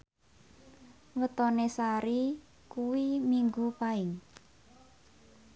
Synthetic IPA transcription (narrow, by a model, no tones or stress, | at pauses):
wət̪ɔnesaɾi | kuwimiŋɡupaɪŋ